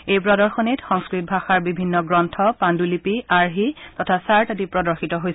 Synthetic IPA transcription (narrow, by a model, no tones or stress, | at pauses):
ejpɹɔdɔɹxɔnitxɔŋskɹit̚bʱaxaɹbibʱinːɔɡɹɔntʰɔpandulipiaɹɦitɔtʰasaɹtatipɹɔdɔɹxitɔɦoj